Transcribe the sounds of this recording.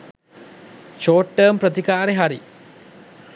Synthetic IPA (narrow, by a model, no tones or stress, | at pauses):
ʃoːʈːəːmpɾət̪ikaːɾeɦaɾi